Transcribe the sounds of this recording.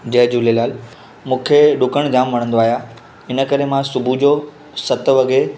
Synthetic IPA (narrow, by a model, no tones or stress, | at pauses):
d͡ʑɐɦd͡ʑulelaːl | mũːkʰeɗʊkəɽ̃d͡ʑaːmʋɐɽ̃ə̃nd̪oaːɦija | ɪnə̆kəɾemãsʊbʱud͡ʑo | sɐt̪ʋɐɡe